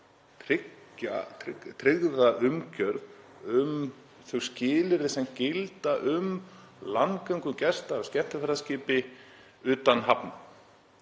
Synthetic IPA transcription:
t̪ʰɾɪcːa̰ɪt̪ʰɾɪɣðaʔʏmcœɾð | ʏm | θœɣscɪːlɪɾɪsɛmcɪlt̪aʔʏm | lankaɥŋkʏmcɛst̪aːscɛm̥t̪ɪfɛɾðascɪːpɪ | ʏːt̪anɦapnʏ

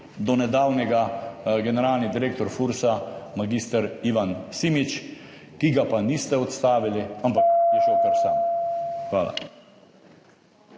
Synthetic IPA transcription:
d̪ɔnɛd̪aːwnɛɡaɡɛnɛɾaːlnid̪iɾeːk̚t̪ɔɾfuɾsamaɡist̪əɾiʋansimit͡ʃ | kiɡapanist̪ɛɔt̪st̪aːʋiliampakjɛʒowkəɾsamxʋa̰ːla̰

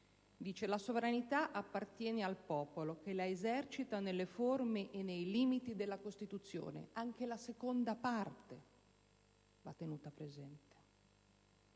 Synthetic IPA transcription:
d̪iːt͡ʃelasovɾanit̪aʔapːart̪jɛːnealpɔːpolok̟elaezɛrt͡ʃit̪anelːeformeʔːnːejliːmit̪id̪elːakost̪it̪ut̪sːjo̰ːnḛaŋk̟elasekond̪apart̪e | va̰t̪ːenuːt̪apɾezɛnt̪e̥

